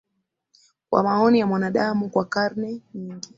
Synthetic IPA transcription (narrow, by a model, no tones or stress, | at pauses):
kwa̰maɔnijamwanaɗamukwakaɾnɛɲiŋɡi